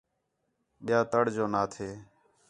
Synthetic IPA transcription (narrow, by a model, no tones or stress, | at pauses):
ɓɪjaːt̪əɽd͡ʒoːnaːt̪ʰeː